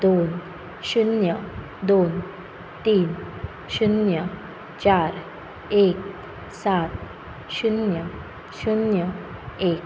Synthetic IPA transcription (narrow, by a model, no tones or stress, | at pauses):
d̪on | ɕunjə | d̪on | t̪iːn | ɕunjə | t͡ɕaɾ | ek̚ | sat̪̚ | ɕunjə | ɕunjəek̚